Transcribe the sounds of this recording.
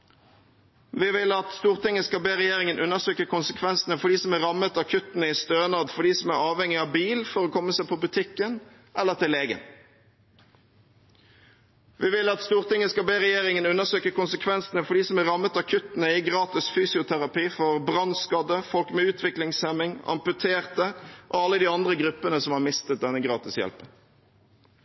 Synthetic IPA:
ʋɪːʋɪlɑt̪st̪uːʁt̪ɪŋːəskɑbeːʁɛjeːʁɪŋənʔʉnːəʁsøːkəkʰʊnsəkʰʋɛnsənəfɔɖiːsɔmæːʁɑmət̪ɑkʰʉt̪nəiːst̪øːnɑːd̪fɔɖiːsɔmæʁɑːʋhɛŋɪɑːʋbiːlfɔʁoːkʰɔmːəsæɪpʰɔbʉt̪ʰɪkːən | ʔɛlːəʁt̪ʰɪleːɡə̰n | ʋɪʋɪlɑt̪st̪uːʁt̪ɪŋːəskɑbeːʁɛjeːʁɪŋənʉnːəʁsøːkəkʊnsəkʰʋɛnsənəfɔɖ̪iːsɔmæʁɑmːət̪ɑkʰʉt̪ənəɪɡʁɑːt̪ɪsfyːsɪʊt̪ʰæʁɑpiːfɔʁbʁɑnskɑd̪əfɔlkmɛːʉːt̪ʰʋɪklɪŋsɛmɪŋɑ̰mpʉt̪ʰeːʁt̪əʔoɑlːəd̪iːɑnd̪ʁəɡʁʉpːənəsɔmhɑʁmɪst̪ət̪̚d̪ɛnəɡʁɑːt̪ɪsjɛ̰lpən

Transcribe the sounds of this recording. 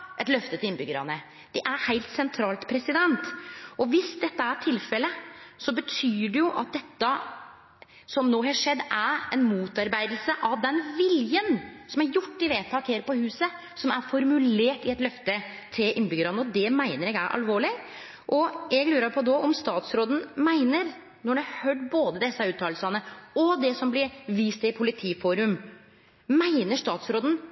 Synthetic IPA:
ʔɛt̪lœft̪ət̪ɪɪnbʏɡːəɾɑ̰nə | d̪̥ɛʔæɾhæɪlt̪sɛnt̪ʰɾɑːlt̪pʰɾɛsɪd̪ɛnt̪ʔɔʋɪsd̪ɛt̪ːəæʈʰɪlfɛlːəsɔbət̪ʰyːɖɛjʊʔɑ̰t̪̚d̪ɛt̪ːə | sɔmnoːɦɑʂɛd̪ːæɾɛnmuːt̪ɑɾbæɪd̪əl̩səʔɑʋd̪ɛnʋɪljənsɔmæɾjʊʈːɪʋeːt̪ʰɑːkheːɾpɔhʉːsə | sɔmæɾfɔɾmʉleːʈɪɛt̪lœft̪ə | t̪ʰɾeːʔɪnbʏɡəɾɑd̪nɔd̪ɛmæɪnəɾɛɡæɪʔɑ̰lʋoːɭɪ | ʔɔjɛɡlʉːɾɑɾpʰɔd̪ɔʔɔmst̪ɑːt̪sɾoːd̪n̩mæɪnəɾ | nɔɖɛɑhøɖboːd̪əd̪ɛsːəʉːt̪ʰːɑːlsɑnəɔd̪ɛsɔmblɪɾʋiːst̪ɪpʰʊlɪt̪ʰiːfuːɾʉm | mæɪnəʂt̪ɑːt̪sɾoːd̪ən̩

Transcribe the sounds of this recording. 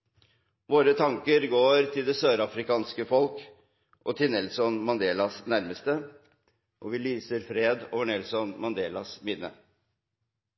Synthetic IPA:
ʋoːɾət̪ʰɑŋkəɾɡoːɾt̪ʰɪld̪ɛsøːɾɑfɾɪkɑːnskəfɔlk | ʔɔt̪ʰɪnɛlsɔnmɑnd̪eːlɑsnæɾməst̪ə | ʔɔʋɪlyːsəɾfɾeːd̪o̰ːʋəɳɛlsɔnmɑnd̪eːlɑsmɪnːə

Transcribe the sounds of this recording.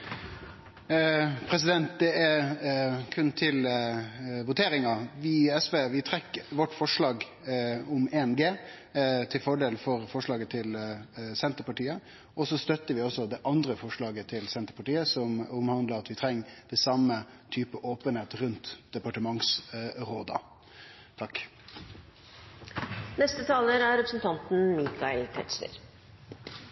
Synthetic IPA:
pʰɾɛs̬ɪd̪ɛnt̪̚d̪ɛæɾ | kʰʉnt̪ʰɪl | ʋʊt̪ʰeːɾɪŋɑʋɪɛsʋeːʋɪt̪ʰɾɛkːʋɔʈːfɔʂɭɑːɡ | ʊmeːnɡeː | t̪ʰɪlfɔɖeːlfɔɾfɔʂɭɑːɡət̪ʰɪlsɛnt̪əpɑʈiːə | ʔɔsɔst̪œt̪ːəʋɪɔsɔd̪ɛʔɑnd̪ɾəfɔʂɭɑːɡət̪ʰɪlsɛnt̪əɾpɑʈiːəsɔmʊmhɑnd̪ləɑt̪ʋɪt̪ʰɾɛŋːd̪̥ɛsɑmə | t̪ʰyːpəʔoːpənheːt̪ɾʉnt̪d̪̥ɛpɑʈəmɑŋsɾoːd̪ɑ̰ | t̪ʰɑk | nɛst̪ət̪ʰɑːləɾæɾɾɛpɾəsn̩t̪ʰɑnt̪n̩mikʰɑɪlk̪ʰɛ̰ʈ̪sə̰ɾ

